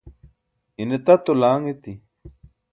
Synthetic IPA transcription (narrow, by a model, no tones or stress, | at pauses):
inet̪at̪olaːŋet̪i